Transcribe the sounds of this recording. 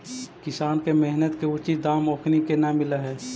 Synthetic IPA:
kɪsaːnkemɛɦnət̪keʊt͡ʃid̪aːmoːkʰnikenamɪlaɦɛː

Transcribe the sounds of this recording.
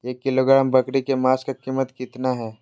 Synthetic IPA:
jekɪloɡɾaːmbɐkɽikemaːskakiːmːət̪kɪt̪naɦɛː

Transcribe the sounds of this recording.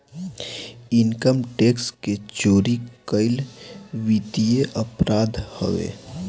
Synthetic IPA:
ɪnkəmʈeːksket͡ʃoːɾikəɪlʋit̪ijeʔəpɾaːd̪hə̰ʋḛː

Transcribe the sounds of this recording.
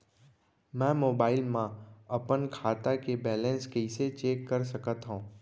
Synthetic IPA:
mɛ̃moːbaːɪlmãɐpənkʰaːt̪akebɛːlɛ̃nskɛɪset͡ʃeːkːəɾsəkət̪ɦũː

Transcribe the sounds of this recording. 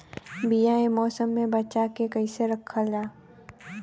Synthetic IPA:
bijaemɔːsəmːẽbɐt͡ʃakekɐiseɾɐkʰːad͡ʒaː

